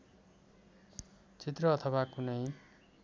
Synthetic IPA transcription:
t͡sit̪rʌːt̪ʰʌwakunʌj

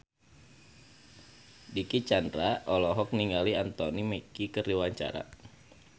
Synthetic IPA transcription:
dikit͡ʃandɾaʔɔlɔɦɔk̚niŋɡaliant̪ɔnimekikəriwaɲt͡ʃa̰ɾa̰

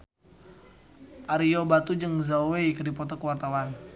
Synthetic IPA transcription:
ʔaɾiobat̪ud͡ʒəŋzawekərdipɔt̪ɔkəwart̪awan

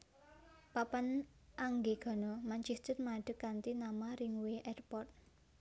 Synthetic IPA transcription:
papan | ʔaŋɡeɡ̥ɔ̤nɔmaɲt͡ʃiht͡ʃət̪̚maɖ̥ə̤kːant̪inamaɾɪŋweʔɛrpɔrt̪̚

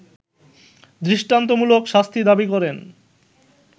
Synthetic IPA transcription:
d̪ɾiʃʈant̪̬omulokʃast̪ʰid̪abikɔɾen

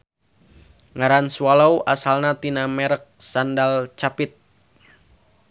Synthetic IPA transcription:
ŋaɾansualawʔasalnat̪inamɛɾək̚sandalt͡ʃapɪt̪̚

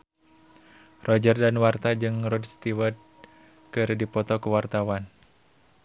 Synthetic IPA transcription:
rɔd͡ʒərdanwart̪ad͡ʒɨŋrɔdst̪iwəd̪̚ | kɨrdipɔt̪ɔkəwart̪awan

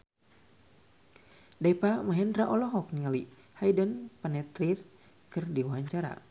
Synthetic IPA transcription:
daipamaɦɛndɾaʔɔlɔɦɔk̚niŋali | hajdənpanɛt̪ɾir | kɨrdiwaɦaɲt͡ʃaɾa̰

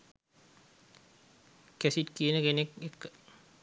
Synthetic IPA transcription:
kæsit̪kiənəkenekekːə̥

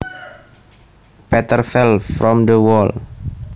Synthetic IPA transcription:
pɛt̪ərfɛlfɾɔmd̪əwɔl

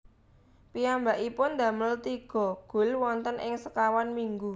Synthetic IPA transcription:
piambaʔipʊnd̪ä̤məlt̪iɡ̥ɔ̤ɡ̥ʊ̤lwɔnt̪ənʔɪ̰ŋsəkawanmiŋɡu

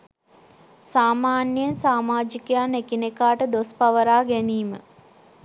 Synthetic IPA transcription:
saːmaːnjjənsaːmaːd͡ʒikejaːnekinekaːʈəd̪ospaʋəɾaːɡɛniːmə̰

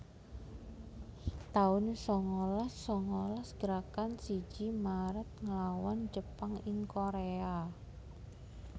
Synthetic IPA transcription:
t̪aʊnsɔŋɔlɔsːɔŋɔlɔsɡ̥əɾakansi̥d͡ʒimaɾət̪̚ŋəlawand͡ʒəpaŋɪŋkoɾea

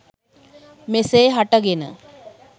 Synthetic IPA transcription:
meseːɦaʈəɡenə̰

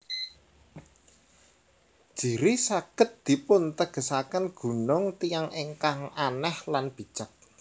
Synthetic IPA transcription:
d̥ʒ̥i̤ɾisaɡ̥ə̤t̪̚d̪̥i̤pʊnt̪əɡ̥ə̤sakənɡ̥ṳnʊŋt̪ijaŋʔeŋkaŋanɛhlanb̥i̤̥t͡ʃək̚

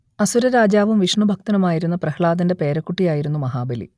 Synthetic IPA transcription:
ɐsuɾɐɾaːd͡ʑaːʋumʋiʂɳubʱɐk̚t̪ɐnɐmaːjiɾunːɐprɐhɭaːd̪ɐnde̞pe̞ːɾɐkːuʈːijaːjiɾunːumɐɦaːbɐlḭ

